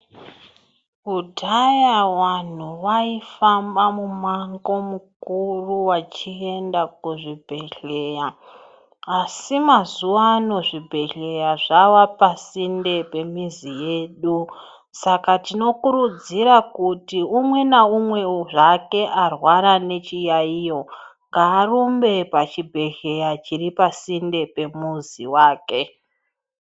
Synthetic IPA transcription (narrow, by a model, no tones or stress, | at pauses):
udʱajawan̤uʋaifambamumaŋɡo̞mukuruwat͡ʃie̞ndakuʐibʱe̞ɬe̞jaː | simazuʋaːno̞ʐibʱe̞ɬe̞jaʐawapasinde̞pe̞mizije̞ːɗu | sakatino̞kuɾud͡ziɾakutiumwe̞naumwe̞oʐake̞ʔarwaɾane̞t͡ʃijaijo̞ŋɡaːrumbe̞pat͡ʃibʱe̞ɮe̞jat͡ʃiripasinde̞pe̞muzḭwaːke̞